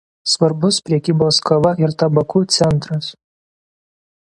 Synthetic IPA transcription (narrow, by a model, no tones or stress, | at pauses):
sʋɐɾbʊspʲɾʲɛkʲiːboːskɐʋɐɪɾt̪ɐbɐkuːt̪sʲɛnˑt̪ɾɐs